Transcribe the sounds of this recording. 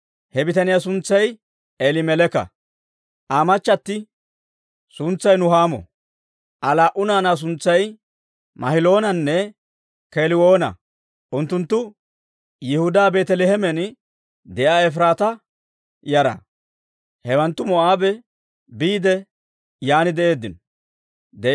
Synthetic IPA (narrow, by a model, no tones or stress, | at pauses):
hɛbɪt̪ɐnɪjasʊnt͡sːɐj | elɪmɛlɛkɐ̰ | ʔaːmɐt͡ʃːɐt̪ːɪ | sʊnt͡sːɐjnʊhaːmɔ̰ | ʔɐlaːʔʊnaːnaːs̬ʊnt͡sːɐj | mɐhɪlo̞ːnɐnːɛ | keːlɪwoːnɐ̰ | ʔʊnt̪ːʊnt̪ːʊ | jɪhʊd̪aːbe̞ːt̪ɛlɛhɛmɛn | d̪ɛʔaːɛf̬ɪɾaːt̪ɐ | jɐɾɐ̰ | hɛwɐnt̪ːʊmɔʔaːbɛ | biːd̪ɛ | jaːnɪd̪ɛʔe̞ːd̪ːɪn | d̪ɛ